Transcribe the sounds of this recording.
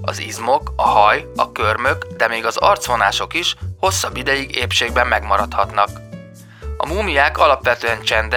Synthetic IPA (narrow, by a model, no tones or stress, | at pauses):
ɒ̰zizmo̞kɒhɒjɒkø̞rmø̞kd̪ɛmeːɡɒzɒrt̪sʋo̞naːʃo̞kiʃho̞sːɒbːid̪ɛjiɡeːpʃeːɡbɛmːɛɡmɒɾɒt̪hɒt̪nɒk | ɒ̰muːmijaːkɒlɒpʋɛt̪øɛnt͡ʃɛnd̪